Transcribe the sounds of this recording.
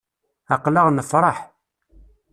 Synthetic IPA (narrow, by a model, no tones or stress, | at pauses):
ɑqləʁnəfɾˤɑħ